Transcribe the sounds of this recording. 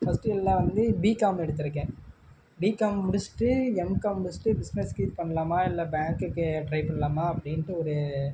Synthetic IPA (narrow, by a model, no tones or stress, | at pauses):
fɐsʈɯɪlːãʋɐnd̪ɯbiːkaːmɛɽɯt̪̬ːɪɾɯkːẽː | biːkaːmːʊɽɪsʈːɯɛmkamːʊɽɪsʈːɯbɪsnɛskiːt̪pɐɳːɐlaːmaːɪlːɐbaːŋkɯkːɯɖɾɐɪpɐɳːɐlaːmaːɐpːɐɽɪnʈːɯɔɾɯ